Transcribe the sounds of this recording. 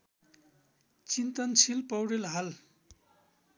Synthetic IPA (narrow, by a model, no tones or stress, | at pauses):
t͡sint̪ʌnsʰilpʌwɽelɦal